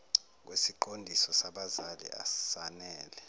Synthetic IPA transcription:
k̬wesiǃondʱisɔsaɓazalḭʔa̰sanɛːlɛ

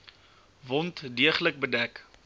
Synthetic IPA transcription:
vɔntdiəχlək̚bədæk

